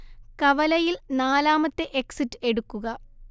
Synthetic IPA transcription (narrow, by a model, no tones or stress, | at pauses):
kɐʋɐlɐjilnaːlaːmɐt̪ːeʔeksitːɨe̞ɽukːuɣɐ